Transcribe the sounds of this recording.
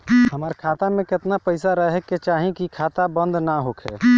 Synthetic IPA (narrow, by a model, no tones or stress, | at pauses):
ɦəmaːɾkʰaːt̪amẽkɪt̪napəɪsaɾəɦkːet͡ʃaːɦĩkikʰaːt̪abə̃nd̪naɦoːkʰɛ